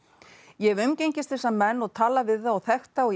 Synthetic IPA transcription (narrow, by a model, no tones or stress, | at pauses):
jɛɣʏmcejɲcɪst̪θɛsːamɛnːɔɣt̪ʰaːlavɪðθaaθɛxt̪aɔɣ